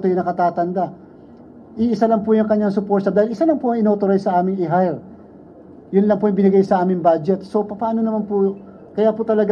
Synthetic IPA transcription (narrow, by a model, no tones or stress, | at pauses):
t̪ojʊnɐkɐt̪aːt̪ɐnd̪a | ʔiʔɪsalɐŋpʊjʊŋkɐɲːaŋsʊpoɾt̪ɐd̪aːhɪlʔɪsalɐŋpoʔɐŋɪnoːt̪oɾajsɐʔaːmɪŋɪɦajɾ | jʊnlɐŋpojɐŋbɪnɪɡajsɐʔaːmɪŋbaːd͡ʒɛt̪so̞pɐpaːno̞nɐmanpʊ | kɐjaːpot̪ɐlɐɡ